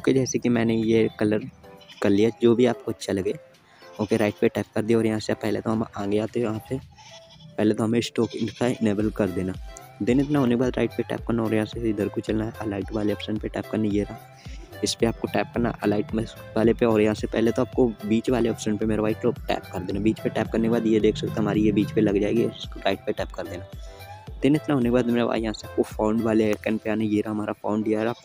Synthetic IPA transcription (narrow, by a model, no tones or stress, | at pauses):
oːked͡ʒɛːsekimɛ̃ːnejekɐləɾkɐɾlijad͡ʒoːbʱiaːp̚koɐtːʃʰalɐɡeː | oːkeɾaːɪʈ̚peʈɛːp̚kɐɾd̪ijaɔːɾjɐɦãseapɛɦlet̪oɦɐmãːɡeaːt̪eɦɛjɐɦãpe | pɛɦlet̪oɦɐmẽsʈɔːkɪ̃nkaɪneːbəlkɐɾd̪eːnaː | d̪ɪːnɪt̪naɦoːnekebaːd̪ɾa̰ːɪʈ̚peʈɛ̰ːp̚kɐɾnaɔːɾjɐɦãseɪd̪əɾkot͡ʃɐlnaɦɛʔɐlaːɪʈʋaːleɔːpsəɳpeʈɛːp̚kɐɾnejeɾa | ɪspeaːp̚koʈɛːp̚kɐɾna̰ʔəlaːɪʈm | ʋaːlepeɔːɾjɦãsepɛɦlet̪oaːp̚kobiːt͡ʃʋaːleɔpsə̃ɳpemeːɾʋaːikloːʈɛ̰ːp̚kɐɾd̪eːnabiːt͡ʃpeʈɛːp̚kɐɾnekebaːd̪jed̪eːkʰsɐk̚t̪ẽɦəmaːɾijebiːt͡ʃpelɐɡd͡ʒaːeːɡiɔ̰ːɾɪskoɾaːɪʈ̚peʈɛːpkɐɾd̪eːnaːd̪ɪnɪt̪naɦoːnekebaːd̪meːɾaa̰ːjɐɦãseaːp̚kofaːɳɖʋaːlekɛnpeaːnejeːɾaɦɐmaːɾafʰaːʊɳɖijaɾaː